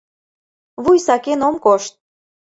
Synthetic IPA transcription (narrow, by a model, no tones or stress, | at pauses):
βujsɑkenomkoʃt̪̚